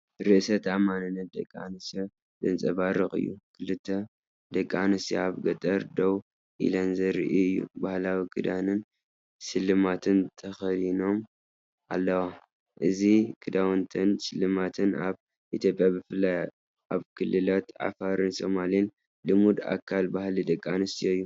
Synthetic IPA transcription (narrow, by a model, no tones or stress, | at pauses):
ɾɨʔsɐt̪ʰamanɨnːɐt̪̚d̪ɐ̰kʼːa̰nɨsjo | d̪ɨnt͡sʼɐβaɾɨxʼɨ̰jːṵkʰɨlɨt̪ʰːɐ | d̪ɐkʼːanɨsjoaβɡɐt̪ʼɐɾd̪ow | ʔḭlɐnzɐɾɨ̰ʔiɨjːṵbahlawikʰɨd̪anɨn | sɨlːɨmat̪ʰɨnt̪ʰɐxɐlino̞m | ʔa̰lːɐwa | ʔɨzikʰɨd̪awnt̪ʰɐnsɨlːɨmat̪ʰɨnaβ | ʔit̪ʰjo̞pʼjabɨfɨlːaj | ʔaβkʰɨlːɨlat̪ʕa̰faɾɨnso̞malin | lɨmud̪a̰kʰːalbahlid̪ɐkʼːanɨsijoɨjːu